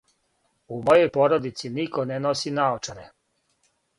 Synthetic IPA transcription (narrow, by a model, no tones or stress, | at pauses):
umo̞jo̞jpo̞ɾod̪it̪siniko̞nenosinaot͡ʃaɾe